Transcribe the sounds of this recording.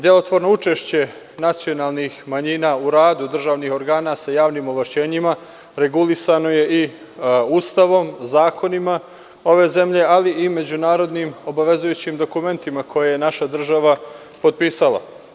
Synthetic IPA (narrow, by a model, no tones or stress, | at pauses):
d̪jelot̪ʋo̞ɾno̞ut͡ʃe̞ʃt͡ɕe̞ | nat̪sijo̞naːlˠnixmaɲiːnaːuɾaːd̪ud̪r̩ʒaːʋnixo̞ɾɡaːnasajaːʋniːmoʋlaʃt͡ɕe̞ːɲima | ɾe̞ɡulisano̞je̞ʔi | uːst̪aʋo̞mzaːkʰo̞nima | o̞ʋe̞ːze̞mʎe̞aliʔime̞d͡ʑunaːɾo̞d̪niːmo̞baʋe̞zujut͡ɕimd̪o̞kume̞nt̪imakʰo̞jejenaʃad̪r̩ʒaʋa | po̞d̪̚piːsalˠa̰